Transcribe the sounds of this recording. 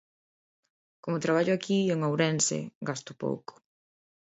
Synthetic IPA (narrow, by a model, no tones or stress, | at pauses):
komʊt̪ɾaβaʎʊakʰioŋowɾɛnsɪ̰ɡast̪ʊ̥po̰wkʊ̥